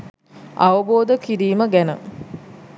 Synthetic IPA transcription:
ʔaʋəboːd̪əkiɾiːməɡænə̰

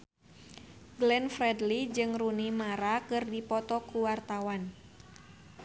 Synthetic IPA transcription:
ɡlɛnfrɛdlid͡ʒɨŋrunimaɾakɨrdipɔt̪ɔkuwart̪awan

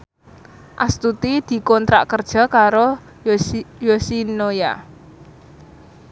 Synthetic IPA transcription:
ʔast̪ut̪id̪̥i̤kɔnt̪ɾa̰ʔkərd̥ʒ̥ɔ̤kaɾo | josinoja̰

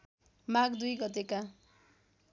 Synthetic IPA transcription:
maɡd̪ujɡʌt̪eka

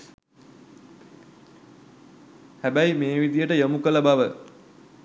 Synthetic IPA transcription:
hæbæjmeːʋid̪ijəʈəjəmukələbaʋə

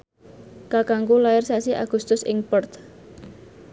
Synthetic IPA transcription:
kakaŋkulaɪrsasiʔa̰ɡ̥ṳst̪ʊsɪ̰ŋpɔrt̪

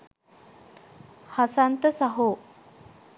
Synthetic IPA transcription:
hasant̪əsaɦo

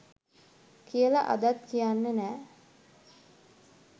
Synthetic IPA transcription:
kijəlaʔa̰d̪at̪kijanːənæː

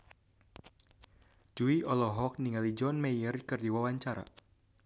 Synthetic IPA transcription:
d͡ʒuiɔlɔɦɔk̚niŋalid͡ʒɔnmejərkɨrdiwawaɲt͡ʃaɾa̰

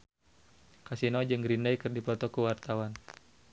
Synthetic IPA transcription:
kasinɔd͡ʒɨŋɾindajkɨrdipɔt̪ɔkuwart̪awan

